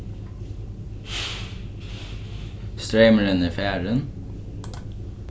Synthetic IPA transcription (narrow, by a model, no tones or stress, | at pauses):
st̪ɹeɪməɹɪniːfæːɹən